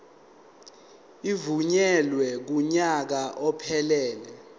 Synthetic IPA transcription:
ivuɲɛlwɛk̬uɲak̬aʔɔpʰɛlɛːlɛ

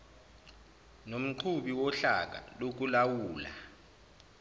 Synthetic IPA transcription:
nom̩ǃʰuɓiwɔɬak̬ʼa̰lok̬ulawuːla̰

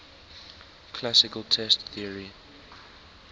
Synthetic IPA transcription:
kʰlasɪkəlˠtʰɛstθiəɹi

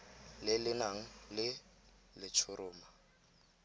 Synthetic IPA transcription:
lɪlɪnaŋ̩lɪ | lɪt͡ʃʰʊɾʊːma

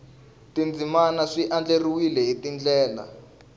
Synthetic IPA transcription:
tind͡zimanaʂiʔand͡ɮeriwilɛɦitind͡ɮɛːla̰

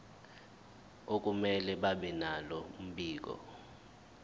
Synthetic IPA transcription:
ok̬ʼumɛlɛɓaɓɛnalɔm̩ɓiːk̬ɔ̰

